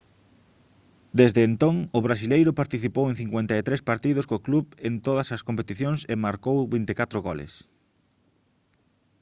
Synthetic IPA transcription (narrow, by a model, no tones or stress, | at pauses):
d̪ezðeːnt̪oŋʊβɾasilejɾʊpaɾt̪iθipowẽŋ̟θiŋkwent̪aet̪ɾespaɾt̪iðʊskokluβent̪oðɐsɐskompet̪iθjoŋsemaɾkowβint̪ekat̪ɾoɣolḛs